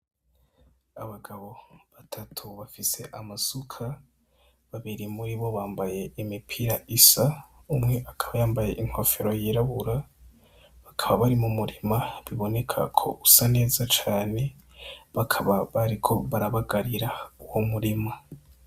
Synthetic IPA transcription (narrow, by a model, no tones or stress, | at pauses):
aβaɡaβo̞βatʰatʰuβafise̞ʔamasukʰa | βaβiɾimuɾiβo̞βaːmbaje̞imipʰiɾaʔisaumŋe̞ʔakʰḁβajaːmbaje̞ʔiŋho̞feɾo̞jiɾaβuɾa | βakʰaβaβaɾimumuɾimaβiβo̞ne̞kʰa̰kʰo̞̰ʔusane̞ːzat͡ʃaːne̞ | βakʰaβaβaɾikʰo̞βaɾaβaɡaɾiɾauwomuɾima